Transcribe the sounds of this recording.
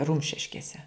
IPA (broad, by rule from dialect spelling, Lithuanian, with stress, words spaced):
ˈrʊmʲʃʲɪʃʲkʲeːsʲɛ